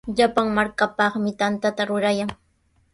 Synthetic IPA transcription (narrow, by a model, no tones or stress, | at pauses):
ʎapaŋmaɾkapɑχmɪt̪ant̪at̪aɾʊɾajaŋ